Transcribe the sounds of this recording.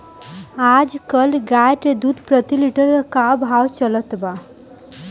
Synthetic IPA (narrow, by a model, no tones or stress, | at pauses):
ad͡ʒkəlɡajʈed̪ud̪pɾət̪iliʈəɾkabʱɦawt͡ʃələt̪ba